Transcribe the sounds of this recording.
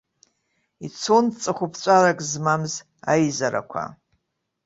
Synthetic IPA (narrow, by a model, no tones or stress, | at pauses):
it͡sʰont͡sʼɨχʷʊpʰt͡sʷʼaɾakʼzmamz | ajzaɾa̰kʷʰa̰